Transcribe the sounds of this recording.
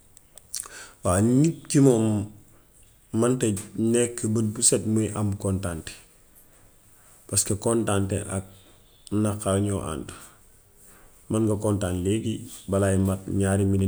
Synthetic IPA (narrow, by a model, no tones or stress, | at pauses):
waːnip̚cimoːm | ɐntenekːəbəd̚busetmuiʔamkontante̥ | paskekontantḛʔa̰k̚ | nakalɲoʔa̰ːnt | maŋɡɐkontaːnleːɡibalajimat̚ɲaːɾimin